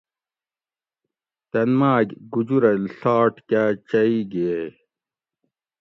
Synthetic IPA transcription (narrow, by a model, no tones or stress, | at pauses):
t̪ɐnmaːɡɡud͡ʑuɾɐlɬaːʈkat͡ɕɐiɡee